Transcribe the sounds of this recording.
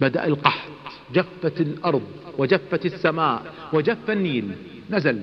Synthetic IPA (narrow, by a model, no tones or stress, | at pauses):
bad̪a̰ʔalqɑħt̪ | d͡ʒafːat̪lʔɑɾˤðˤwɪd͡ʒafːat̪ɪsːamaːʔwɪd͡ʒafːanːiːl | nazal